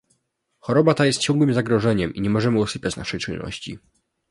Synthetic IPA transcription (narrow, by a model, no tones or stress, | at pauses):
xɔɾɔbat̪ajɛst̪̚t͡ɕɔ̃ŋɡwɘmzaɡɾɔʐɛɲɛmiɲɛmɔʐɛmɘɔsɘpʲat͡ɕna̰ʂɛjt͡ʂɘnːɔ̰ɕt͡ɕḭ